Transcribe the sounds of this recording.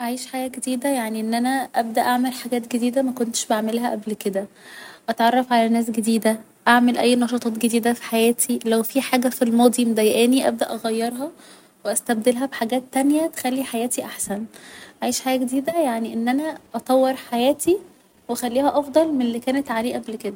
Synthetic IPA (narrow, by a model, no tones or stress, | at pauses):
ʔaʕiːʃħaːjæɡed̪iːd̪æjaʕniʔenːʔænæʔæb̚d̪æʔaʕmelħaɡæːt̪̚ɡed̪iːd̪æmækont̪e̥ʃbaʕmelɦæʔæblked̪æ | ʔɑt̪ʕɑrˤːɑfʕalænæːs̬ɡed̪iːd̪æ | ʔaʕmelʔæjːnɑʃɑt̪ˤɑːt̪ɡed̪iːd̪æfi̥ħajæːt̪ʰilæwfiħaːɡæfilmɑːd̪ˤimd̪æjʔæːniʔæ̰b̚d̪æʔɑɣæjːɑɾˤɦɑ | weʔæst̪æb̚d̪elɦæbeħaɡæːt̪ːænjæt̪e̥xælːiħajæːt̪iʔaħsænʔaʕiːʃħajæːɡed̪iːd̪æjaʕniʔenːʔænæʔɑt̪ˤɑwːeɾˤħajæːt̪ʰi | wʔæxælːiːhæʔɑfd̪ˤɑlmenelːikæːnet̪ʕaleːʔæblked̪æ